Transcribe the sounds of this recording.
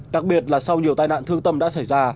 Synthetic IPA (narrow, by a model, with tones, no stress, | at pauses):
ɗa˨˩k̚ɓi˨˩ət̚laː˨˩sa˧wɲi˨˩ət̪aː˧jna̰ː˧˨nt̪ʰɨ˧əŋt̪ə˧mɗa̰ː˧˥sa˧˩jzaː˧